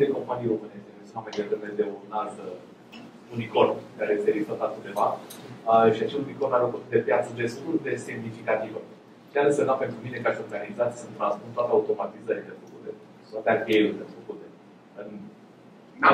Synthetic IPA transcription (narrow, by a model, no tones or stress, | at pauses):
d̪eko̞mpanijɾo̞mɨneʃt̪ekesunamajd̪ed̪əved̪eunazə | uniko̞lkaɾejest̪elist̪at̪lat͡ʃɨd̪e̞vaəʃiat͡ʃeluniko̞lnafəkut̪d̪e̞pjat̪səd̪e̞st̪uld̪e̞semnifikat̪ivə | ʃalesemnape̞nt̪ɾumine̞kaʃo̞rɡanizat̪sʲsɨnt̪ɾãnspunt̪oat̪eaut̪o̞mat̪izəɾilefəkut̪e | t̪wat̪eapielulefəkut̪e | ɨn